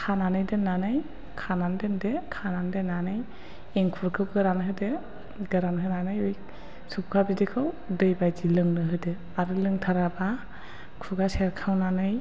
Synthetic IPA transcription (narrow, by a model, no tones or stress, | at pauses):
kʰananɯjdɯnːanɯj | kʰanandɯndekʰanandenanɯj | eŋkʰuɾkʰɯwɡɯɾanɦɯdɯ | ɡɯɾanɦɯnanɯjɯj | sup̚kʰabidikʰɯw | dɯjbajzilɯŋnɯɦɯdɯ | aɾɯlɯŋtʰaɾaba | kʰuɡaseɾkʰawnanɯj